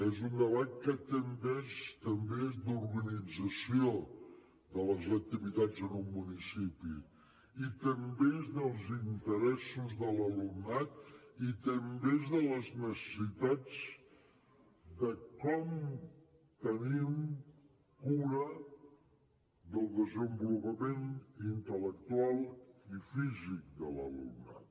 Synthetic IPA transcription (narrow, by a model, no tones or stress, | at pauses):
ezund̪əβat̪̚kət̪əmbezt̪əmbezd̪uɾɣənid͡zəsio | ðələzək̚t̪iβit̪ad͡zənumːunisipḭ | it̪əmbezðəlˠzint̪əɾɛsuzðələlunat̪̚it̪əmbezðələznəsə̥sit̪ad͡z | d̪əkɔm | t̪ənim | kuɾə | ðəlˠd̪əzəmbulupəmenint̪ələk̚t̪ualˠifizik̚d̪ələ̰lṵrna̰t̪